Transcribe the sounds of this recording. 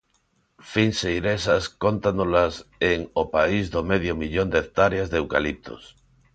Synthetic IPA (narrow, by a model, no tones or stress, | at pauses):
finsejɾesaskont̪anolaseŋopaizðomeðjomiʎond̪ekt̪aɾjazðewka̰lip̚t̪ʰo̰s